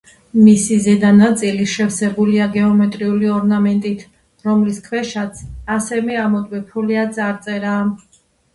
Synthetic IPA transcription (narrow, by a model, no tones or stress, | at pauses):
misizɛd̪anat̪sʼiliʃɛvsɛbuliaɡɛɔmɛt̪ʼɾiuliɔɾnamɛnt̪ʼit̪ʰ | ɾɔmliskʰwɛʃat̪sʰasɛmɛamɔd̪wɛpʰuliad̪zʼaɾt̪sʼɛɾaː